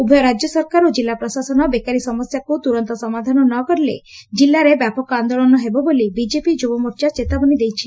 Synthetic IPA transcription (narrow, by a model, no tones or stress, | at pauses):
ubʱɔjɔɾad͡ʒɔsɔɾkaɾod͡ʒilːapɾɔsasɔnɔbekaɾisɔmɔsjakut̪uɾɔnt̪ɔsɔmad̪ʱanɔnɔkɔɾilḛd͡ʒilːaɾebjapɔkɔand̪oɭɔnɔɦebɔbolibid͡ʒepid͡ʒubɔmɔɾt͡ʃat͡ʃet̪abɔnid̪ejt͡ʃʰi